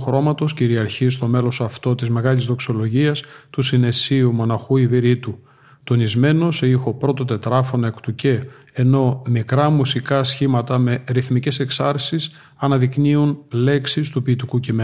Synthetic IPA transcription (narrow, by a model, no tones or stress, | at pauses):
xɾo̞mɐt̪o̞sciɾiɐɾçist̪o̞me̞lo̞sɐft̪o̞t̪izme̞ɣɐlizðo̞kso̞lo̞ʝiɐst̪usine̞siumo̞nɐxuiviɾit̪u | t̪o̞nizme̞no̞sixo̞pɾo̞t̪o̞t̪e̞t̪ɾɐfo̞nɐe̞kt̪uce̞ː | no̞mikɾɐmusikɐsçimɐt̪ɐme̞ɾiθmice̞se̞ksɐɾsis | ɐnɐðikniunle̞ksist̪upiːt̪ikucime